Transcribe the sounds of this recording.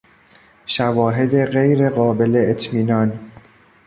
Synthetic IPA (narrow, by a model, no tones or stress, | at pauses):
ʃævɒːɦe̞d̪e̞ɢejɾe̞ɢɒːbe̞leːt̪ʰmiːnɒːn